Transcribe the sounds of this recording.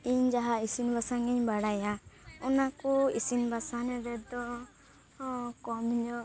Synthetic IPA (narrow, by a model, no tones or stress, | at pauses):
iɲd͡ʒaɦaisinbasaŋiɲbaɽajaɔnakuisinbasanɛɾɛd̪ɔ | kɔmiɲɔ